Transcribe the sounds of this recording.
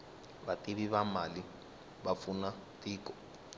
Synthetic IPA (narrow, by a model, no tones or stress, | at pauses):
βatiβiβamali | βap̪funa | tiːkɔ̥